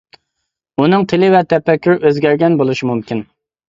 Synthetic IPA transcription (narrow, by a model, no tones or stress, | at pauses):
unɨŋt̪ʰɪlɪvɛt̪ʰɛpːɛkʲʰːyɾøzɡʲæɾɡʲɛnbolˠuʃimumkʲʰin